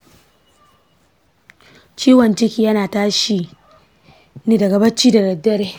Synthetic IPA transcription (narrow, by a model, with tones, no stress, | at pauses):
t͡ʃiː˦wɐ˨nt͡ʃɪ˦kʲiː˨jɐ˦naː˨taː˦ʃi˨ | ni˦dɐ˨ɡɐ˨bɐ˦t͡ʃiː˦dɐ˨ɡɐ˨dɐ˦ɽe˦